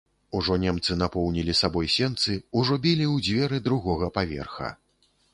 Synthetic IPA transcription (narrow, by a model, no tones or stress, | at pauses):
uʐɔnʲɛmt̪sɨnapɔwnʲilʲisabɔjsʲɛnt̪sɨuʐɔbʲilʲiwd͡zʲvʲɛɾɨd̪ɾuɣɔɣɐpavʲɛ̰rxɐ̰